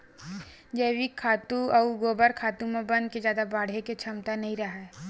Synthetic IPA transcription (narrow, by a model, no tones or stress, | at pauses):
d͡ʒeːwikʰaːt̪ũɐɡoːbəɾkʰaːt̪ũmẽbɐ̃nd̪̚ked͡ʒjaːd̪abaːɽ̤eket͡ʃʰɐmt̪anɐɦĩɾɐɦaɛ